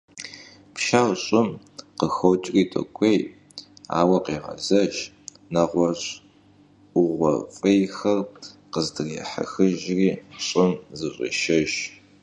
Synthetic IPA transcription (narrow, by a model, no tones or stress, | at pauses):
pʃaːwɕʼɪm | qəxowt͡ʃʼriːtʰʼɐ̰kʷʰʼej | a̰ːwɐqeːʁɐ̰zɐʒ | nɐʁʷɔɕʼ | ʊʁʷɔ̰fʼɐjxɐrqəzdɨreħa̰xɨʒriːɕʼɪmzɨɕʼɐ̰ʃɐʒ